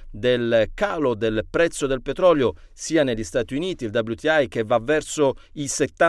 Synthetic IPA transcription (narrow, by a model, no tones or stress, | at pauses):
d̪elkaːlod̪elpɾɛt̪sːod̪elpet̪ɾɔljo | siːaneʎːist̪aːt̪iuniːt̪iːld̪abljut̪iajk̟evːavːɛrsoiset̪ːa